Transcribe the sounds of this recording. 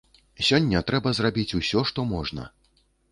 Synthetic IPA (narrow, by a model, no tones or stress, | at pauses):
sʲɔnʲːɐt̪ɾɛbɐzrabʲit͡sʲusʲɔʂt̪ɔmɔʐnɐ̰